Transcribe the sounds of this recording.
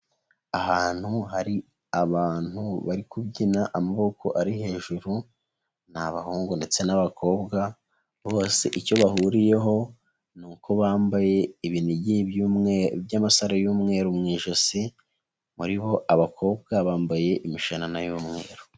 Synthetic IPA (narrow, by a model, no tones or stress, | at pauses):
ahaːn̥huɦaɾi | aβaːn̥huβaɾikubɟinaʔamaβo̞kʰo̞ʔaɾihe̞ːʒuɾu | n̥aβahuːŋɡunde̞t͡se̞naβakʰo̞ːbɡa | βo̞ːseʔico̞βahuɾije̞ɦo̞ | nuːkʰo̞βaːmbaje̞iβiniɟibjumŋebjamasaɾajuːmŋe̞ːɾumŋiːʒosi | muɾiβo̞ʔaβakʰo̞ːbɡaβaːmbaje̞ʔimiʃananajuːmŋe̞̰ːɾo̥